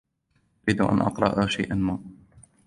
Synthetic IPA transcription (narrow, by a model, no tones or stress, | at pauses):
ʔʔʊɾiːd̪ʔa̰nʔɑ̰qɾˤɑ̰ʔaʃajʔanmaː